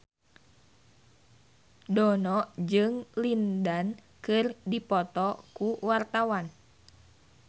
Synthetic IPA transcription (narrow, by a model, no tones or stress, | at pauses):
dɔnɔʔd͡ʒɨŋlindan | kɨrdipɔt̪ɔkuwart̪awan